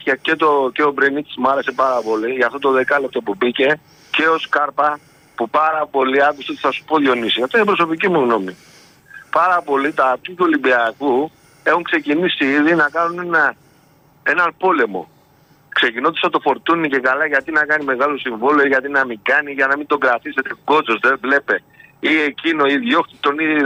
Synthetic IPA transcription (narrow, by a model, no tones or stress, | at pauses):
ɐce̞t̪o̞ce̞obɾenit̪smuɐɾe̞se̞pɐɾɐpo̞liʝɐft̪ot̪oðe̞kɐlep̚t̪o̞pubice̞ | ce̞o̞skɐɾpɐ | pupɐɾɐpo̞liɐkust̪eot̪iθɐsu̥po̞ðjo̞nisiɐft̪oinepɾo̞so̞picimuɣno̞mi | pɐɾɐpo̞lit̪ɐt̪it̪uolibiɐku | e̞xuŋkse̞cinisiiðinɐkɐnunenɐ | e̞nɐnpo̞le̞mo̞̰ | kse̞cino̞t̪i̥sɐt̪o̞fo̞ɾt̪unice̞kalɐʝɐt̪inɐkɐnime̞ɣɐlosiɱvoloiʝɐt̪̬inɐmiɡɐniʝɐnɐmind̪o̞ɡɾat̪ise̞t̪e̞ɡo̞t͡sozðevle̞pe̞ | iecino̞iðʝo̞xt̪it̪ːo̞ni